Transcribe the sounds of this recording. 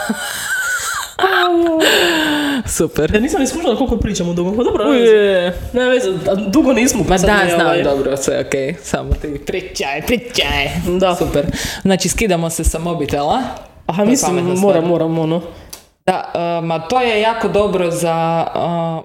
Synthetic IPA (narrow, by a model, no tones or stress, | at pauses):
a | supɛɾaniːsamnismuʃald̪akolkopɾiːt͡ʃamod̪uɡompad̪obɾojɛneʋezad̪uɡoniːsmopadd̪aznamd̪obɾosʋeokejsa̰mot̪ipɾit͡ʃajpɾit͡ʃajed̪asupɛɾznaːt͡ʃiskid̪amosesamobit̪ela | aamispaimːoɾamːoːɾamono | d̪̥a̰əmat̪ojejaːkod̪o̞bɾoza